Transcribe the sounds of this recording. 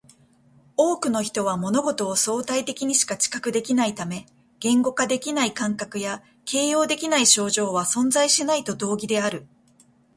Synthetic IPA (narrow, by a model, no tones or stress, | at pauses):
o̞ːkɯ̟no̞çi̥t̪o̞βamo̞no̞ɡo̞t̪o̞ːso̞ːt̪ait̪e̞kʲiɲ̟iɕi̥kat͡ɕi̥kakɯ̟d̪e̞kʲinait̪ame̞ | ɡ̥ẽ̞ŋɡo̞kad̪e̞kʲinaikãŋkakɯ̟ja | ke̞ːjo̞ːd̪e̞kʲinaiɕo̞ːʑo̞ːβasõ̞nzaiɕinait̪o̞d̪o̞ːɡʲid̪e̞aɾɯ̟